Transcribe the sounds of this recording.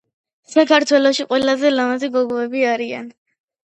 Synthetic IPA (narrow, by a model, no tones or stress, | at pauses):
sakʰaɾt̪ʰwɛlɔʃiqʼwɛlazɛlamaziɡɔɡɔɛbiaɾia̰n